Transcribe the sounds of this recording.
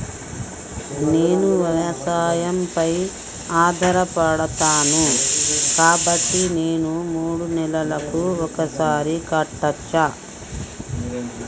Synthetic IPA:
neːnuʋɐɾɐsaːjɐmpɐj | aːd̪ʱɐɾɐpɐɽɐt̪aːnukaːbɐʈːineːnumuːɽunɛlɐlɐkuɔkɐsaːɾikɐʈːɐt͡ʃːa

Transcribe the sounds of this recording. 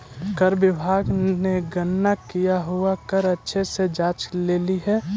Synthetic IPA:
kəɾbɪbʱaːɡneɡənːakijaɦuakəɾətːʃʰesed͡ʒaːt͡ʃleːliɦɛː

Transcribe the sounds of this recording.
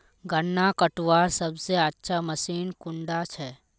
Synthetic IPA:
ɡɐnːakəʈwaːɾsɐbseətːʃʰamɐsiːnkʊ̃ɳɖat͡ʃʰɛː

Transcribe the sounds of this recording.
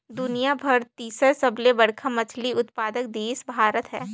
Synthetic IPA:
d̪ʊnijabʱɐɾt̪iːsəɾsɐblebɐɽkʰamɐt͡ʃʰliʊt̪paːd̪ək̚d̪eːsbʱaːɾət̪ɦɛ̰ː

